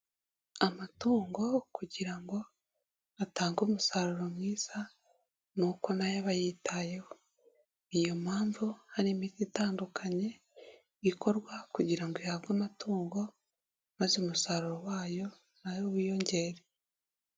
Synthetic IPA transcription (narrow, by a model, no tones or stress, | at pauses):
amatuːŋɡo̞kuɟiɾaŋɡo̞ | ataːŋɡoːmusaɾuɾomwiːza | nuko̞najoβajiːtajeho | ijo̞maːɱvuhaɾimititaːndukʰaɲe̞ | ikʰo̞ɾɡwakuɟiɾaŋɡoihaβɡamatuːŋɡo̞ | mazeomusaːɾuɾowaːjo̞ | najoβijoɲɟe̞ɾe